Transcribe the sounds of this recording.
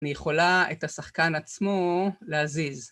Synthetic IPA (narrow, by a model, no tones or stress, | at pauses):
nijeχo̞laethasaχkanat͡smoleaziz